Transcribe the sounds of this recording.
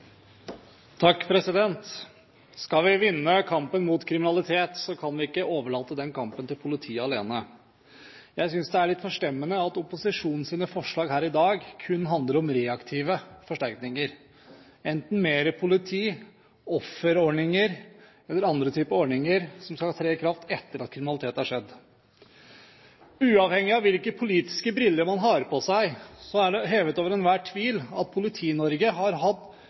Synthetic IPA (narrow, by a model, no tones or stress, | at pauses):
t̪ʰɑkːpʰɾɛsɪd̪ɛnt̪ | skɑlʋɪʋɪnːəkʰɑmpənmʊːt̪kʰɾɪmɪnɑlɪt̪ʰeːt̪sɔkʰɑnʋɪɪkːəʔoːʋəɭɑːt̪əd̪ɛnkʰɑmpənt̪ɪlpʰʊlɪt̪ʰiːɑleːnə | jæɪs̬ʏnsd̪ɛæɭɪt̪fɔʂʈɛmːənəɑt̪ʊpʊsɪʂuːnn̩siːnəfɔʂɭɑːɡɦæːɾɪd̪ɑːɡkʰʉnːɦɑnd̪ləɾɔmɾeːɑkt̪ʰiːʋəfɔʂʈæɾknɪŋəɾ | ɛnt̪n̩meːɾəpʰʊlɪt̪ʰiː | ɔfəɾɔɳɪŋəɾ | ɛlːəɾɑnd̪ɾət̪ʰyːpəɔɳɪŋəɾsɔmskɑlhɑːt̪ʰɾeːɪkʰɾɑft̪ɛt̪ːəɾɑt̪̚kʰɾɪmɪnɑlɪt̪ʰeːt̪æʂɛd̪ː | ʉːɑʋhɛŋːɪɑʋɪlkəpʰʊliːt̪ɪ̥skəbɾɪlːəɾmɑnɦɑːɾəpʰɔsæɪsɔæɖɛɦeːʋət̪oːʋəɾɛnʋæːʈʰːʋiːlɑt̪̚pʰʊlɪt̪ʰiːnɔɾɡəɦɑɾɦɑt̪ː